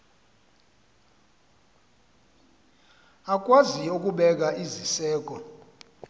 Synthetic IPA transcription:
ak̬ʼwaziuk̬ʼuɓɛk̬aʔizisɛːk̬ɔ

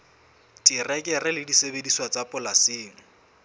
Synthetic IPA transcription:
tʼirɛkʼɛrɪlɪdisebediswat͡sapʼʊlasɪːŋ̩

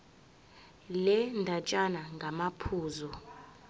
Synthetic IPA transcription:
lɛndʱat͡ʃʼanaŋɡʱamapʰuːzɔ

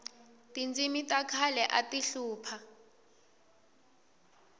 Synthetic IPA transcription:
tind͡zimitʼakʰalɛʔatiɬuːpʰa

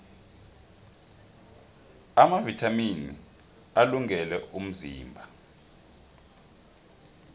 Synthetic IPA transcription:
amavitʰaminḭ | aluŋʱɛlɛum̩ziːmbʱa

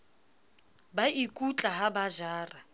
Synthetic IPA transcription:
baʔikʼut͡ɬʼaɦabaʒaːra

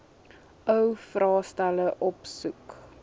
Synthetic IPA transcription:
ʔœwfrɑːstæləʔɔpsuk

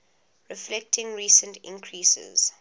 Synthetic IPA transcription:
ɹɪflɛk̚tʰɪ̃ŋɹiːsə̃ntʰɪ̰̃ŋkʰɹiːsə̰z̥

